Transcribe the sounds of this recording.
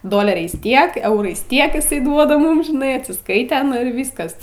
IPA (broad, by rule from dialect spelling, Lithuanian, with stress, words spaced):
ˈdoːlʲɛrʲɛɪs ˈtʲiɛk ˈɛʊrɐɪs ˈtʲiɛk ɪˈsɐɪ ˈduɔdɐ ˈmʊm ʒʲɪˈnɐɪ ɐtʲsʲɪsˈkɐɪtʲɛ ɪr ˈʋʲiːskɐs